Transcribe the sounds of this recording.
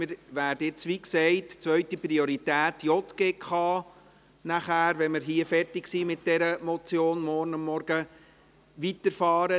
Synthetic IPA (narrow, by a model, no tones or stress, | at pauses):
mɪɾʋæːɾd̥əjɪt͡sʋiksɛɪtt͡sʋœʏtipɾioɾitæːtjɔtɡ̥ekχɑː | næχæːɾʋɛməɾɦiəfɛrtɪksiːmɪtd̥ɛɾəmɔt͡sjoːnmɔɾnɑmːɔɾɡ̥ə | ʋitəɾfɑːɾə